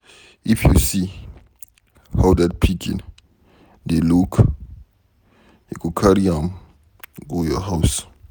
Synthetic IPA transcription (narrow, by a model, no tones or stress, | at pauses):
ifjṵsi | hadɛd̚pʰikʰḭ̃n | deluk | jukukʰaɾiãm | ɡojɔɦaʊs